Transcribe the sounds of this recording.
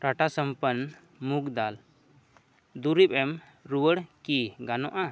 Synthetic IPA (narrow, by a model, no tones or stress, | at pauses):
ɾaʈasəmpən | mukd̪al | d̪uɾibɛm | ɾuwəɽkiɡanɔʔa